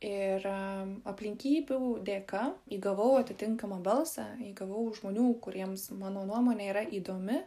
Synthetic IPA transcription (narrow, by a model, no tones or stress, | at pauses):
ɪrɐpʲlʲɪŋʲkʲiːbʲuːd̪ʲeːkɐiːɡɐʋɐʊɐt̪ʲɪt̪ʲɪŋkɐmɐbɐlˠsɑiːɡɐʋɐʊʒmoːnʲuːkʊɾʲiɛmsmɑːnoːnuɔmoːnʲeːiːɾɐʔiːd̪oːmʲɪ